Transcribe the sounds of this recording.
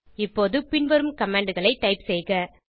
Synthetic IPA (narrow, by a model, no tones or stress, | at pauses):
ɪpːoːðɯpɪnʋɐɾɯmkɐmaːɳɖɯɣɐɭɐɪʈːɐɪpsɛjɣɐ